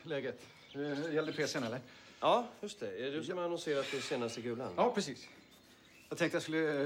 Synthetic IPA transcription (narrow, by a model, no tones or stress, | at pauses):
lɛːɡət̪ | ɛjɛld̪əpʰeːsənɛlːəɾ | ɑːjɵʂt̪ʰɛɛd̪ɵskamaanɔnseːɾat̪̚d̪ɛseːnast̪əɡʉːla̰nɑːpʰɾɛsiːs | jɑɡt̪ʰɛŋt̪əjaskɵlːə